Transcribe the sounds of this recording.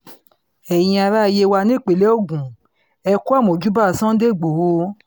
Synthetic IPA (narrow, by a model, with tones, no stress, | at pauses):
ɛ˨j̃ĩ˧a˧ɾa˦˧je˧wa˧nĩ˦˨k͡pe˨le˦o˦˨ɡũ˨ | ɛ˧ku˦a˦˨mõ˨d͡ʒu˨˦ba˦˨sã˦de˦˨ɡ͡bo˨ho˧˦